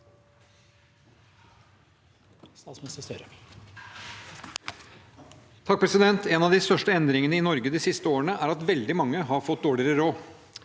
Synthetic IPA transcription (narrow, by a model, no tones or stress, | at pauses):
st̪ɑːt̪smɛsəst̪œɾə | t̪ʰɑk̚pʰɾɛsɪd̪ɛnt̪ʰeːnɑʋd̪ɪst̪œʂʈəɛnd̪ɾɪŋənəɪnɔɾɡəd̪ɪsɪst̪əoːəɳəʔæːɾɑt̪ʋɛld̪ɪmɑŋːəɦɑɾfɔt̪̚d̪oːɭɪɾəɾoː